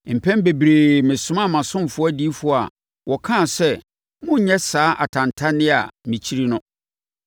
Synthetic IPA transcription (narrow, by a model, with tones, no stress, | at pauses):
m̩˨pʰɛ̃˦m˦be˨bɾe˨mɪ̃˨sʊ̃˦mã˦˨mã˨sʊ̃˦mfʊ˦ɔ˦a˦di˦fʊ˦a̰˨ | wʔɔ˨kʰã˦˨sɛ˦ | mʊ̃˦ɲɛ˦saː˨˦ʔa̰˨tʰã˨ntʰa˦nɪ̃˦a̰˨mĩ˨t͡ɕʰi˦ɾi˦nʊ̃˦